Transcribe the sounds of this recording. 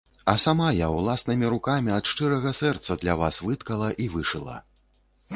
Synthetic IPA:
ɐsamajawlˠasnɨmʲiɾukamʲiɐt̪ʂt͡ʂɨɾɐɣɐsɛrt̪sɐd̪lʲavasvɨt̪kɐlˠɐʔivɨʂɨlˠɐ̰

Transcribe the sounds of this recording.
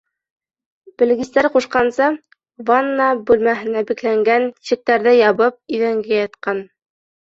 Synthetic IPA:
b̥ɘ̆lɡɘst̪æɾquʃqɑnsɤ | vɑnːɑbʉlmæɦɘ̆næbiklæŋɡænɕɘ̆k̚t̪æɾðɘjɑβɤp̚iðæŋɡæjɑt̪qɑn

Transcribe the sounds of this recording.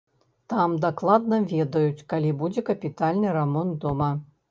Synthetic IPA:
t̪amd̪aklˠad̪nɐvʲɛd̪ɐjut͡sʲkalʲibud͡zʲɛkɐpʲit̪alʲnɨɾɐmɔnt̪d̪omɐ

